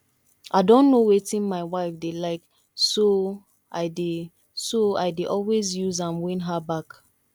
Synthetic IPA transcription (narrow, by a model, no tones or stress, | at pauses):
ʔaɪdɔ̃nːowetĩnmaɪwaɪfdelaɪk | so | ʔa̰ɪde | soa̰ɪdeʔɔlwezjuzãmwĩnɦabak